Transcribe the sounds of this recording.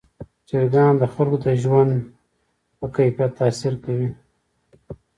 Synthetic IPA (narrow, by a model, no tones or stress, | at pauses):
t͡ʃeɾɡɑnd̪əxalɡod̪əʒwand̪ | pəkajfjat̪ːɑsiɾkawi